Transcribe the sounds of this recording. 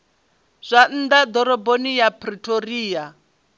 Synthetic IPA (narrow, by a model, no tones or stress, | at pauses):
z̥ʷan̩d̪ad̪ɔɾɔbonijapʰʼritʰʼoɾiːja